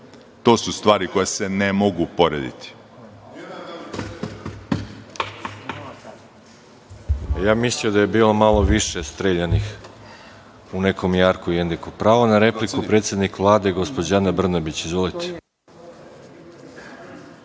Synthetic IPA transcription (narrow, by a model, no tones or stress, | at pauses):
t̪oːsust̪ʋaːɾikojasenemoɡupoɾḛd̪ḭt̪ʰi̥ | jaːmisliod̪aje̞biːlomalˠo̞ʋiʃe̞st̪ɾeːʎanix | une̞ko̞mjaːɾkujend̪ikupɾaːʋonaɾe̞plikupɾe̞t̪sʲje̞d̪nikʋlˠaːd̪e̞ɡospod͡ʑanabr̩nabit͡ɕizʋo̞lit̪ʰe̥